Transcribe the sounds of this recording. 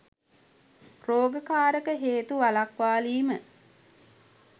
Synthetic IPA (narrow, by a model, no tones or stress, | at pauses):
roːɡəkaːɾəkəɦeːt̪uʋalakʋaːliːmə